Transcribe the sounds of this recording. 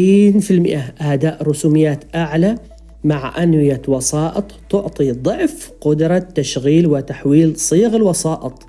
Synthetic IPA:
iːnfɪlmɪʔaʔad̪aːʔɾʊsuːmɪjːaːt̪ʔaʕla | maʕʔanwɪjawɑsɑːʔɨt̪ˤt̪ʊʕt̪ˤid̪ˤʊʕfqʊd̪ɾˤɑt̪ːaʃɣiːlwɪt̪aħwiːlsˤiːɣɪlwɑsɑːʔɨt̪ˤ

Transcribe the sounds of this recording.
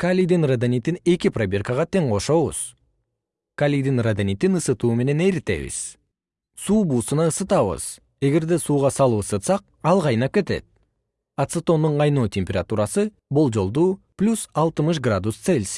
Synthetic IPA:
kalʲid̪inrad̪anʲit̪ine̞kʲipravʲerkəʁɑt̪ʰe̞ŋqo̞ʃo̞βṵz̥ | kalʲijd̪inrad̪anʲit̪inɯsɯt̪uːme̞ne̞nejɾit̪e̞̰βḭz̥ | suːbuːsɯnɑɯsɯt̪ɑβɯ̰z̥ | e̞ɡe̞ɾd̪e̞suːʁɑsɑlˠɯɯsɯt̪sɑq̚ | ɑlˠʁɑjnɑp̚kʲe̞t̪e̞̰t̪̚ | at̪sɨt̪o̞nd̪uɴɑjnoːt̪ʲemʲpʲerat̪uɾɑsɯ | bulˠd͡ʒo̞lˠd̪uː | plʲusɑlˠt̪ɯmɯʃ̬ɡrad̪ust̪selʲs

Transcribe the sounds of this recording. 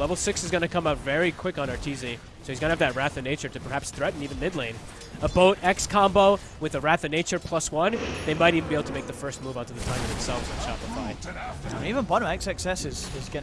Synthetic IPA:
lɛvl̩ˠsɪksɨzɡʌnɨkʰʌ̃maʊtvɛɹikʰw̥ɪkn̩ə˞tʰizi | soʊhizɡʌnɨɨvðɨt̚ɹæθɨneɪt͡ʃə˞ɾɨpʰə˞hæpsθɹɛʔn̩ivɨ̃nmɪdˡlẽɪ̃n | əboʊɾɛkskʰɑ̃mboʊ | wɨðəɹæθɨneɪt͡ʃə˞pʰl̥ʌswʌ̃nðeɪmaɪɾivɨn̩bieɪbl̩ˠtʰəmeɪk̚ðɨfɜ˞st̚muvaʊtʰɨðɨtʰãɪ̃mʌvðɨ̃msɛlˠvz̥ɨ̃ʃʰɑpəfaɪ̃nivə̃nbʌɾə̃mɛksɨksɛsɪz̥ɪzɡɛ

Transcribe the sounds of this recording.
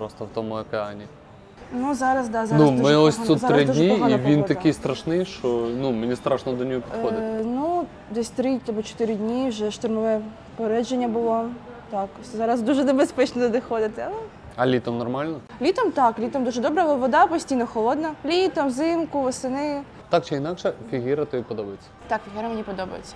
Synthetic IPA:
pɾɔst̪ɔwt̪ɔmʊɐkeɑnʲi | nuzɑɾɐsd̪ɑznumɪɔsʲsut̪ːɾɪd̪ʲnʲiiʋʲint̪ɐkɪjst̪ɾɐʃnɪjʃt͡ʃɔnumenʲist̪ɾʔaʃnɔd̪ɔnʲɔɦɔpʲid̪ɔɪnu | d̪ɛsʲt̪ɾɪt̪ʲɔbɔt͡ʃɔ̥t̪ɪɾʲɪdʲnʲiwʒɛʃt̪ʊrmɔʋɛ | peɾɛd͡ʒenʲːɐbʊlˠɔ | t̪ɑk | zɑɾɐzd̪uʒɛnebespɛt͡ʃnɔd̪ɪxɔd̪ɪt̪ɪɐlˠɛ | ɐlʲit̪ɔmnɔrmɑlʲnɔlʲit̪ɔmt̪ɑklʲit̪ɔmd̪uʒɛd̪ɔbɾɐʋɔd̪ɑpɔsʲtʲijnɔxɔlˠɔd̪nɐlʲit̪ɔmzɪmkʊʋɔsɪnɪ̥ | t̪ɑk̚t͡ʃɪinɑkʃɛfʲiɦɪɾɐt̪ɔipɔd̪ɔbɐjet͡sʲːɐ̥t̪ɑkfʲɪɦiɾɐmenʲipɔd̪ɔbɐ̰jɪ̰t͡sʲːɐ̥

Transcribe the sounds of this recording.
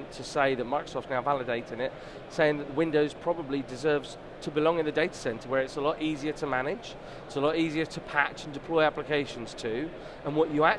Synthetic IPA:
ntʰəseɪðət̚mɑɪkɹə̥sɔˑftnaʊvalədeɪtɪ̃nɪt̚ | seɪɪ̃ŋðəʔðəwɪ̃ndoʊz̥pʰɹ̥ɒbəblidɪzɜːvz̥ | tʰəbɪlɒ̃ŋɪ̃nðədeɪtə̥sɛ̃ntəwə˞ɪtsəlɔtiːziə˞tʰəmanɪ̥d͡ʒ | ɪtsəlɔɾiziə˞tʰəpʰat͡ʃə̃ndɪpʰl̥ɔɪaplɪkʰeɪʃə̃nz̥tʰʉ | ə̃nwɒt͡ʃəak̚

